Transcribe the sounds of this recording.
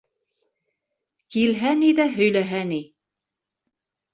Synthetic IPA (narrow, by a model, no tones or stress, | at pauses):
kilɦænid̪æɦɵ̆jlæɦæni